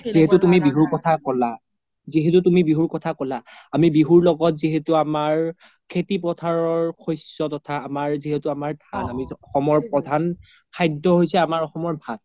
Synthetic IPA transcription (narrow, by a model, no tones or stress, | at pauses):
ziɦɛtʊtumibiɦuɹkɔtʰakɔla | ziɦɛtutumibiɦuɹkɔtʰakɔlaːmibiɦuɹlɔɡɔt̚ziɦetuamaɹ | kʰetipɹɔtʰaɹɔɹkʰojsɔtɔtʰaːmaɹziɦɛtuamaɹdʰʱanamiɔxɔmɔɹpɹɔdʱan | kʰajdɔɦojsɛamaɹɔxɔmɔɹbʱal